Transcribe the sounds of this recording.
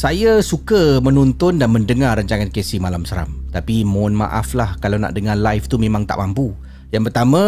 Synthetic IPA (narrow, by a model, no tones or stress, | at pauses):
sajasukəmənunt̪ʊndanməndəŋarːaɲt͡ʃaŋankesɪhmalamsəɾa̰mt̪apimonma̰ʔaflahkalawna̰ʔdəŋalajft̪umẽmãŋt̪a̰ʔmampu | jaŋpərt̪amã